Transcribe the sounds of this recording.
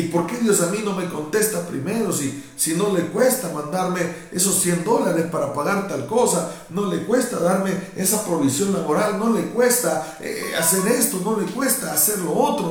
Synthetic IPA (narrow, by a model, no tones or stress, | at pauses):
ipo̞ɾke̞ðjo̞samino̞me̞ko̞nt̪e̞st̪apɾḭme̞ɾo̞si | sino̞le̞kwe̞st̪amãnd̪aɾme̞ | e̞so̞ssjend̪o̞laɾe̞spaɾapaɣaɾt̪alko̞sa | no̞le̞kwe̞st̪aðaɾme̞e̞sapɾo̞βisjo̞nlaβo̞ɾalno̞le̞kwe̞st̪a | ḛa̰se̞ɾe̞st̪o̞no̞le̞kwe̞st̪aːse̞ɾlo̞ot̪ɾo